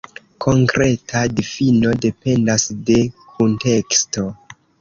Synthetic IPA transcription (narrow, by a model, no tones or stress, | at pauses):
kʰo̞ŋkɾe̞tʰadifino̞de̞pe̞ndasde̞kʰunte̞ksto̞